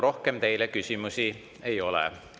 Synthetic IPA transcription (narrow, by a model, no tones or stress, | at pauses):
ɾo̞hke̞mt̪e̞jlekysʲimusi | e̞jo̞lɛ̰